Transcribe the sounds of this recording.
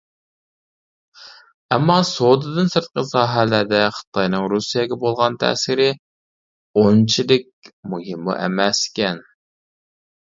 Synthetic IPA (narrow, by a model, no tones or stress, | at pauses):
ɛmːɑsod̪ɨd̪ɨnsɨɾt̪̚qəsɑːɦælæɾd̪ɛχə̥t̪ʰɑjnɨŋɾusijɛɡʲɛbolˠʁɑnt̪ʰɛ̰ːsɪɾɪ | ont͡ʃʰilɪk̚ʲmuɦɪmːṵʔɛ̰mɛskʲɛn